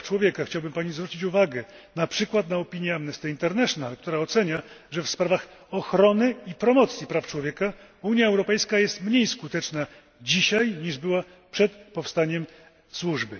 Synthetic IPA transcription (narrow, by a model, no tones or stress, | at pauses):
t͡ʂwɔvʲjɛkaxt͡ɕawbɘmpaɲizvɾut͡ɕit͡ɕuvaɡɛnapʂɘkwat̪naɔpʲiɲjɛamnɛst̪ɛint̪ɛɾnɛʂnalk̚t̪uɾaɔt̪sɛɲaʐɛfspɾavaxɔxɾɔnɘipɾɔmɔt̪sʲjipɾaft͡ʂwɔvjɛka | uɲjaɛwɾɔpɛjskajɛst̪mɲejskut̪ɛt͡ʂna | d͡ʑiɕajɲiʐbɘwa | pʂɛt̪pɔfst̪aɲɛm | swuʐbɘ